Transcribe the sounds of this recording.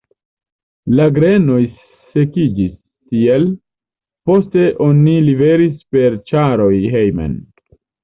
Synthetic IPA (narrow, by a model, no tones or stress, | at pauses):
laɡɾe̞no̞j | se̞kid͡ʒis | tiel | po̞ste̞ʔo̞nilive̞ɾispe̞ɾt͡ʃaɾo̞jɦe̞jmḛn